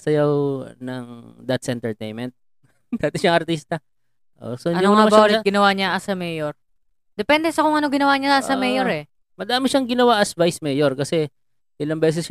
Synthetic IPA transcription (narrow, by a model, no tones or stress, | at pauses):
sɐjawnɐŋd̪ɐt̪sʔɛnt̪ɛɹt̪ḛjnmɛnt̪̚ | d̪aːt̪ɪʃaŋɐɾt̪iːst̪ɐ | ʔo̰soɐnoɐmbaɾɡɪnɐwaɲɐʔɐsɐmɛjoɹ | d̪ɛpɛnd̪ɛsɐkʊŋʔɐnoɡɪnɐwaːɲɐasɐmɛjoɾɛ | mɐd̪aːmɪʃaŋɡɪnɐwaʔɐsvajsmɛːjoɹkɐsɛ | ʔɪlɐŋbɛːs̬ɛs